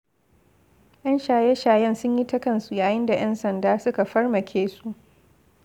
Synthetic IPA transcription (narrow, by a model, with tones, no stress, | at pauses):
jʔɐ˦nʃaː˨jɛ˦ʃaː˨jɛ˦nsʊ˦ɲji˦ta˦kɐ˦nsu˨jaː˨jɪ˦nda˨j̰ʔɛ˦nsɐ˨ndaː˦sʊ˦ka˨ɸɐ˦rmɐ˨kʲʰeː˦su˦ʔ